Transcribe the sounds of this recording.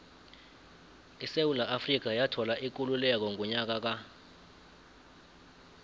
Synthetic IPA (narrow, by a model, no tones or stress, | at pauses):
isewulaʔafrik̬ajatʰɔlaʔik̬ʼululɛk̬ɔŋɔɲak̬ak̬a